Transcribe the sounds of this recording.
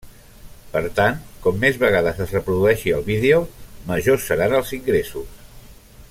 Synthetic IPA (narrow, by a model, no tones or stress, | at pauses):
pəɾt̪ant̪kɔmːezβəɣ̞aðəzəzrəpɾuðuɛʃiəlˠβiðeoməʒosːəɾanəlˠziŋɡɾesus